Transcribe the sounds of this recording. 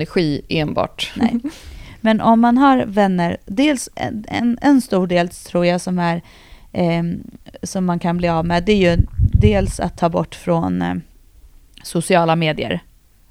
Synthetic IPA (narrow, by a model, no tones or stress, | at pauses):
æɾɧiːeːnbɑ̰ːʈnɛ̰mɛnʔɔmːanɦaɾvɛnːəɾd̪eːlsɛ̰ɛ̰nɛnst̪uːɖeːlt̪ʰɾuːɾjasɔmæɾ | sɔmːankʰanbliːavmɛd̪ɛæɾjɵd̪eːlsa̰t̪ʰːɑːbɔʈːfɾɔn | sʊsɪɑːlameːd̪ɪə̰ɾ